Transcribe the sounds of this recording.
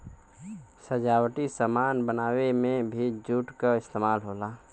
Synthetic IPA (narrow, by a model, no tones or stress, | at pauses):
səd͡ʒaːwʈisəmaːnbənaːwemẽbʱid͡ʒuːʈkaɪst̪eːmaːlɦoːlaː